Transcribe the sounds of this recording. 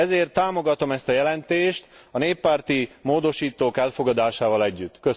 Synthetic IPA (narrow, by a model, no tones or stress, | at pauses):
ɛzeːrt̪ːaːmo̞ɡɒt̪o̞mɛst̪ɒjɛlɛnt̪eːʃt̪ɒneːpːaːrt̪imoːd̪o̞ʃiːt̪oːkɛlfo̞ɡɒd̪aːʃaːvɒlɛɟːyt̪ːkø